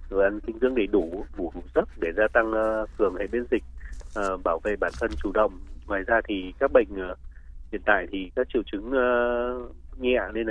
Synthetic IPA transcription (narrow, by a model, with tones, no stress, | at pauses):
zo˨˩jʔa˧nkï˧ŋ̟t̪ɨ˧əŋɗe˧˩jɗu˧˩ɓu˧˩˦ɗu˧˩zə˦˥t̚ɗe˧˩zaː˧t̪a˧ŋː˧fɨ˨˩əŋhḛ˧˨jɓe˧nzï˨˩k̟̚ʔəː˨˩ɓaː˧˩wvḛ˧˨ɓaː˧˩nt̪ʰə˧nt͡ɕu˧˩ɗə̰˧˨wŋ͡mŋwaː˨˩jzaː˧t̪ʰi˨˩kaː˦˥k̚ɓə̰˧˨jŋ̟ʔːhḭ˧˨ənt̪a̰ː˧˨jt̪ʰi˨˩kaː˦˥k̚t͡ɕḭ˧˨wt͡ɕɨ˨˦ŋː˧ | ŋɛ˧ʔa̰˧˨ne˧n˨